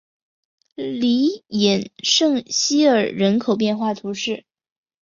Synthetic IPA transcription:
li˧˥jɛ˨˩nʂɤ˥˩ŋɕi˥ə˞˨˩ɻə˧˥nkʰo˨˩ʊp̬jɛ˥˧nxwa˥˩t̪ʰu˧˥ʂɻ̩˥˩

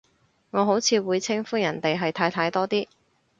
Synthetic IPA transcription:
ŋɔː˨˧ɦo˨˥wt͡sʰiː˨˧wuː˨˧jt͡sʰɪ˥ŋfuː˥jɐ˨˩nt̪e˨jɦɐ˨jt̪ʰaː˧jt̪ʰaː˧jt̪ɔː˥t̪iː˥

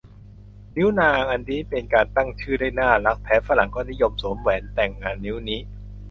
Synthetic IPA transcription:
ni˦˥wnaː˧ŋʔa˧nːiː˦˥pe˧nkaː˧nt̪a˥˩ŋt͡ɕʰɯː˥˩daː˥˩jnaː˥˩la˦˥k̚p̪ʰɛː˦˥fa˧la˩˦ŋkɔː˥˩ni˦˥jo˧msoː˩˦mwɛː˩˦nt̪ɛ˨˩ŋːaː˧nːi˦˥wniː˦˥

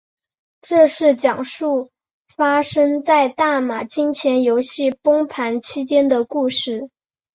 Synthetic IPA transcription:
ʈ͡ʂɤ˥˧ʂɻ̩˥˩t͡ɕjɑ˨˩ŋʂu˥˩ | fa˥ʂɤ˥ŋt͡sa˥˧ɪt̪a˥˩ma˨˩t͡ɕi˥nt͡ɕʰjɛ˧˥njo˧˥ʊɕi˥˩pɤ˥ŋpʰa˧˥nt͡ɕʰi˥t͡ɕjɛ˥nd̪ə˨ku˥˧ʂɻ̩˥˩

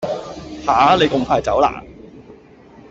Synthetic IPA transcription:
haː˨˥le˨˧jkʊ˨ŋpʰaː˧jt͡sɐ˨˥wla̰ː˨˩

